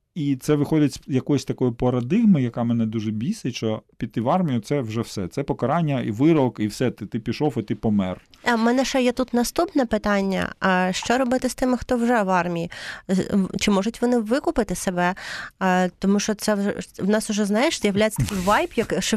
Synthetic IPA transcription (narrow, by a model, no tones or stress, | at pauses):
it̪sɛʋɪxɔdʲɐtʲsʲjɐkɔjɔsʲt̪ɐkɔjʊpɐɾɐd̪ɪɣmɪjɐkɑmɛnɛd̪uʒɛbʲisɪt͡ʃɔpʲid̪̚t̪ːɪʋɑrmʲijʊt̪sɛwʒɛwsɛt̪sɛpɔkɐɾɑnʲːɐiʋɪɾɔkiwsɛt̪ɪt̪ɪpʲiʃɔfɐt̪ɪpɔmɛ̰rmɛnɛʃɛjɛt̪ut̪nɐst̪upnɛpɪt̪ɑnʲːɐ̰ʃt͡ʃɔɾɔbɪt̪ɪst̪ɪmɪxt̪ɔwʒɛʋɑrmʲiji | t͡ʃɪmɔʒʊtʲʋɔnɪʋɪkʊpɪt̪ɪsebɛ | t̪ɔmuʃt͡ʃɔt̪sɛɛwnɑsʊʒɛznɑjeʃzʲjɐwlʲajet͡sʲːɐt̪ɐkʲɪjʋɑjpjɐkʃ